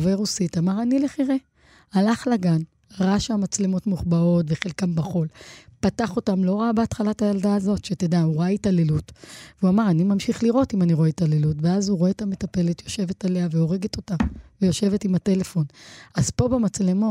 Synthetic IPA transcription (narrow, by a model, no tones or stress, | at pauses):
veʁusitamaʁanileχiʁe | alaχlaɡan | ʁaʃeamat͡sle̞mo̞tmuχbao̞tveχelkambaχo̞lpataχo̞tamlo̞ʁabeatχalatajaldaːzo̞tʃetedauʁaitalelutveuamaʁanimamʃiχliʁo̞timaniʁoetalelutveazuʁoeːtame̞tape̞letjo̞ʃe̞vetaleaveo̞ʁe̞ɡeto̞tamvejo̞ʃe̞ve̞timate̞le̞fo̞nazpo̞bemat͡sle̞mo